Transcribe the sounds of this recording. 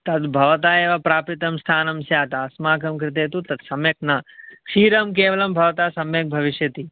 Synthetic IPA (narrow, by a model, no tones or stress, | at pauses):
t̪ɐd̪bʱɐʋɐt̪̬aːeːʋapɾaːpɾit̪ɐmst̪ʰaːnɐmsjaːt̪aːsmaːkɐmkɾɪt̪̬eːt̪ut̪ɐd̪sɐmjɐk̚nakʂiːɾɐmkeːʋɐlɐmbʱɐʋɐt̪aːsɐmjɐk̚bʱɐʋiʃjɐt̪i